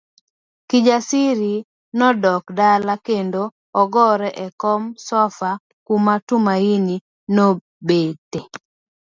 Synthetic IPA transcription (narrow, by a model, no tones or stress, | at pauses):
kid͡ʒasiɾi | nɔdɔkdalakendo | ɔɡɔɾɛʔɛkɔmsɔfa | kumatumaini | no | bete